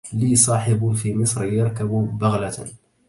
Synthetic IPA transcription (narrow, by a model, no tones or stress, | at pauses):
liːsˤɑːħɪbfimɪsˤɾjɑɾˤkabbaɣla